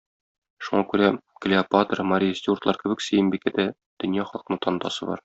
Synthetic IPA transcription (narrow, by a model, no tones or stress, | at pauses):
ʃuɴɑkʉɾæklʲɪɐpat̪ərmɐɾʲijsʲt̪ʲiurt̪lˠɑɾkɘ̆bɘksɘ̆jɘmbikæd̪æ | d̪̥ɵ̆njɑχɒlˠɤqɤ̆nɤɴt̪ʰɒnd̪ɑ̰sɤbɒ̰ɾ